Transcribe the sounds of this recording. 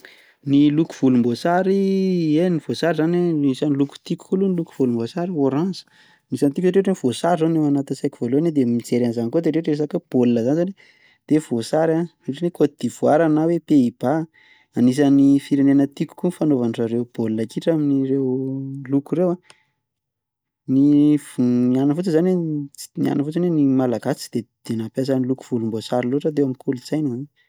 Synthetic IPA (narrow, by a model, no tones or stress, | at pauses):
niluku̥v̥ulumbosaɾienivosaɾizanaisaniluku̥t̪iku̥kuluniluku̥v̥ulumbosaɾioɾãnzə̥ | anisant̪ikueʈ͡ʂeʈ͡ʂeniv̥osaɾizanewanat̪isajki̥v̥oloaned̪emit͡seɾanzankod̪eɾeʈ͡ʂes̬akeb̥olnəzanizane | d̪̥evosaɾareʈ͡ʂinekod̪̥iv̥waɾanawepeiba | anis̬anifiɾenenət̪iku̥kunfanovanʈ͡ʂaɾewb̥olinakiʈ͡ʂaminiɾewlukuɾewa | nivnianəfut͡səzane̥nia̰nəfut͡sanenimalaɡat͡si̥d̪̥ed̪̥enapas̬aniluku̥v̥ulumbosaɾiloʈ͡ʂat̪eamikʰulut͡sajnɦani